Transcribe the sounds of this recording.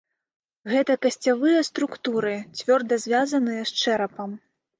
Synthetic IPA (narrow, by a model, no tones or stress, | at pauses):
ɣɛt̪ɐkɐsʲt͡sʲavɨjɐst̪ɾukt̪uɾɨt͡sʲvʲɔrd̪ɐzʲvʲazɐnɨjɐst͡ʂɛɾɐpɐm